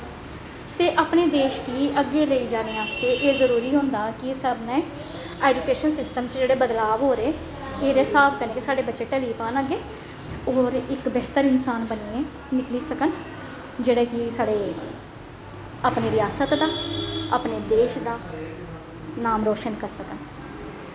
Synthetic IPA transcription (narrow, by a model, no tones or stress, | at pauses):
t̪eːʔaːpneːd̪eːʃkiːʔəɡeːləiːd͡ʒaːɾeːaːst̪eːʔeːzəɾuːɾiːɦõːnd̪aːkɪsəbnɛ̃ː | ɛːd͡ʒukeːʃənsɪsʈəmt͡ʃd͡ʒeːɽeːbəd̪laːʋɦoːɾeː | eːɾɛːsaːbkəneːkesaːɖeːbətːʃeːʈəliːpaːnaːɡeː | ɔːɾɪkbɛːt̪əɾɪnsaːnbəniːẽː | nɪkliːsəkən | d͡ʒeːɽeːkɪsaːɖeː | əpneːɾɪjaːsət̪d̪aːa̰ːpneːd̪eːʃd̪aː | naːmɾoːʃənkəɾsəkən